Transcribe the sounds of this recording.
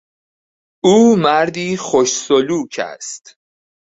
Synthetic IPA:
ʔuːmæɾd̪iːχoʃsoluːcʰæ̰st̪

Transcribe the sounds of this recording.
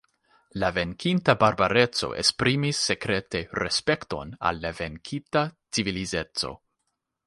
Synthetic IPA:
lave̞ŋkʰintabaɾbaɾe̞t͡so̞̰ʔḛspɾimisːe̞kɾe̞te̞ɾespe̞kto̞̰na̰lːave̞ŋkʰitat͡sivilize̞t͡so̞̰

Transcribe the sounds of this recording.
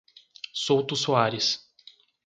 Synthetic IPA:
sowt̪ʊsuaɾɪs

